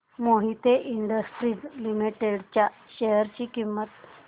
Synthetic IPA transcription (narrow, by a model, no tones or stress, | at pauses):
moɦit̪eʔiɳɖəsʈɾilimiʈeɽt͡ɕjaɕeɦəɾt͡ɕiːkimːət̪